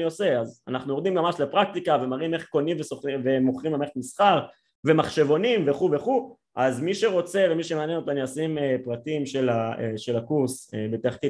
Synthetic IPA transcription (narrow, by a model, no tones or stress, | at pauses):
niose̞aza̰naχnujoʁd̪immamaʃlepʁak̚t̪ikave̞maʁime̞χko̞nimvesoχive̞moχʁimameχtmisχaʁ | ve̞maχʃe̞vo̞nimveχuveχu | ʔazmiʃeʁo̞t͡se̞vemiʃemeanjenot̪aniasimepʁatimʃelaeʃe̞lakuʁsebet̪aχki